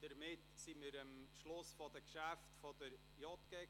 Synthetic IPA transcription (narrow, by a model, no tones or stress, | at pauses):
d̥əɾmɪtsimɪɾəmʃlʊsfɔd̥əkʃæftfɔd̥əɾ | jɔtɡ̥ɛ